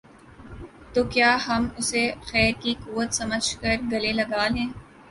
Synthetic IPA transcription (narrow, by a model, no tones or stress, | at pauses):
t̪oːkjaːɦɐmʊsexɛːɾkikuːʋət̪sɐməd͡ʒʱkɐɾɡɐlelɐɡaːlẽː